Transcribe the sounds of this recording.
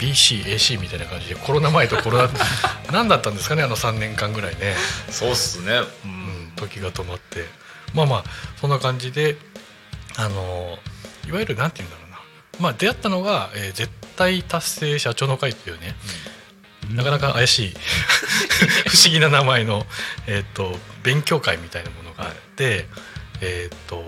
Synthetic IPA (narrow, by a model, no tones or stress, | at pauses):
b̥ʲiɕiːʔe̞ːɕiːmʲit̪ainakãɲ̟d͡ʑid̪e̞kʰo̞ɾo̞namaet̪o̞ko̞ɾod̪anãnd̪at̪ːãnd̪e̞sɨ̥kane̞ano̞sãnːẽ̞ŋkãŋɡɯ̟ɾaine̞soːsɨneɯ̟̃t̪o̞kʲiɡat̪o̞mat̪ːe̞ | maːmaːsõ̞nːakãɲ̟d͡ʑid̪e̞ | ano̞ | iβajɯ̟ɾɯ̟nãnt̪e̞jɯ̟̃nd̪aɾo̞ːna | maːd̪e̞jat̪ːano̞ɡaeːd͡ze̞t̪ːait̪asːe̞ːɕat͡ɕo̞ːnokait̪ːejɯ̟ːne̞ | nakanakaʔajaɕiː | ɸɯ̟ɕiɡʲinanamaeno̞eːt̪ːo̞bẽ̞ŋkʲo̞ːkaimʲit̪ainamo̞no̞ɡa̰ːt̪ːe̞ | eːt̪ːo̞